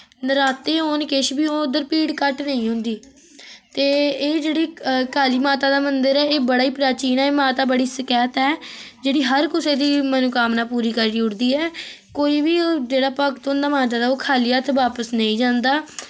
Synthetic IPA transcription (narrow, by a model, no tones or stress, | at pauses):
nɾaːt̪eːɦoːnkɪʃbiːoːd̪əɾpiːɽkəʈnəĩːɦʊ̃nd̪iː | t̪eːeːd͡ʒeːɽiːkaːliːmaːt̪aːd̪aːmənd̪əɾɛːeːbəɽaːiːpɾaːt͡ʃiːnaːeːmaːt̪aːbəɽiːsəkɛːt̪ɛːd͡ʒeːɽiːɦəɾkʊseːd̪iːmənukaːmnaːpuːɾiːkəɾːiːʊɽd̪iːɛː | koːiːbiːd͡ʒeːɽaːpəkt̪ɦʊ̃nd̪aːmãːd͡ʒaːd̪aːoːkʰaːliːaːt̪ʋaːpəsnəĩːd͡ʒãːnd̪aː